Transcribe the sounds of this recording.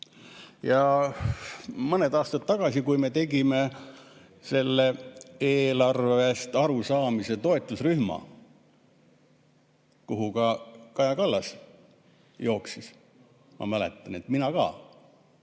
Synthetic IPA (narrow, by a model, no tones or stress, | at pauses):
jɑ | mɤned̪ɑːst̪ɑt̪ːɑɡ̥ɑsikujme̞t̪e̞ɡime̞ | se̞lːe̞eːlɑrvve̞st̪ɑɾusɑːmise̞t̪o̞e̞t̪ːˑusryhmɑ̰ | kuɦukɑkɑjɑkɑlːɑs | jo̞ːksis | mʔɑ̰mæle̞̰t̪ːˑɑne̞t̪minɑkɑ̰ː